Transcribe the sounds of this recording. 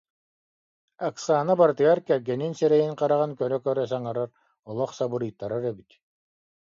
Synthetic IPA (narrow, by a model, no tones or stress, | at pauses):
aksaːnabaɾt̪ɯjaɾkɛɾɡɛninsɛɾɛjiŋqaɾaʁɯnkœɾœkœɾœs̬aŋaɾaɾ | ɔlˠɔχsabɯɾɯjt̪ːaɾaɾɛbit̪